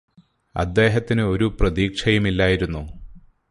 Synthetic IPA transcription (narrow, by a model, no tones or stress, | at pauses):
ɐ̰d̪ːe̞ːɦɐt̪ːinɨo̞ɾuprɐðiːkʂʰɐjumilːaːjiɾunːu